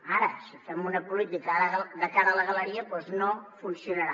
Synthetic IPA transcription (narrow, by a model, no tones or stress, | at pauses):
aɾəsifɛmunəpulit̪ikɾəðəkaɾələɣələɾiəpwɔznofunsiunəɾa